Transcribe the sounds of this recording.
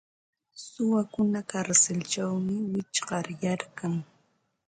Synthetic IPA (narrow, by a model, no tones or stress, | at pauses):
sʊwakʊnakaɾsɪlt͡ʃawmɪwɪt͡ʃɢɑɾjaɾkaŋ